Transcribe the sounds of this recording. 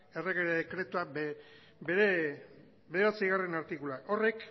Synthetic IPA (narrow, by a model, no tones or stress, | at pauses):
e̞rekeɾðekɾe̞t̪uabe | beɾe | be̞ɾeβat͡sijɣare̞naɾt̪ikulaʔo̞re̞k